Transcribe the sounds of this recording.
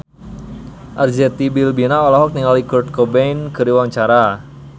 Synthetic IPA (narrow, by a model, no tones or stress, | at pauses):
ʔard͡ʒɛt̪ibilbinaɔlaɦɔk̚niŋalikɔrt̪̚kɔbɛjnkəɾiwaŋt͡ʃaɾa